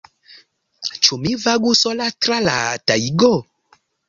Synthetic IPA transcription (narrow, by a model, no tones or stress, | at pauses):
t͡ʃumĩvaɡusɔlatɾalataiɡo